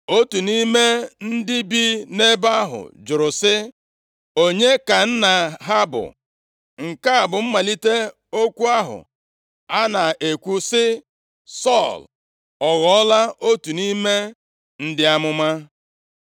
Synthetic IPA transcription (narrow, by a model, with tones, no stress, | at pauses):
o˦tu˨ni˦me˦n̩˦dɪ˦bi˦ne˦ba˦ɦʊ̰˨d͡ʒʊ˨ɾʊ˨sɪ˦ | o˦ɲe˦ka˨n̩˦na˨ɦa˦bʊ̰˨ | ŋ̩˨ka˦a˨bʊ˨m̩˦ma˨li˦te˦ | o˦kʷu˦a˦ɦʊ̰˨ | a˦na˨e˨kʷu˦sɪ˦ | sɔ˦˨l | ɔ˨ɣɔ˨˦ɔ˦la˦o˦tu˨ni˦me˦ | n̩˦dɪ˦a˦mʊ˦ma˦